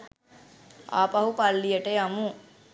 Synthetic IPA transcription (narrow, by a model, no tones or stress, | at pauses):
a̰ːpɐɦupɐlːijɐʈeɐmu